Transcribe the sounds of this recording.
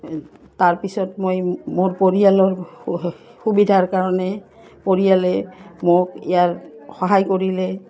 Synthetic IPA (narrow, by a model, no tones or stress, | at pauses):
taɹpisɔtmojmoɹpoɹialɔɹ | xubidʱaɹkaɹɔnɛ | poɹialɛmokijaɹxɔɦajkoɹilɛ